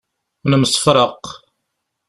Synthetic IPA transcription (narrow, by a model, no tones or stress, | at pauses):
nəməsˤə̥fɾˤəq